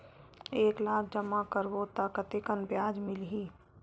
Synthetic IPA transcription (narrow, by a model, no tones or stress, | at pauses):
eːklaːk̚ʰd͡ʒəmakəɾʋot̪akət̪ekənbjaːd͡ʒmɪlɦiː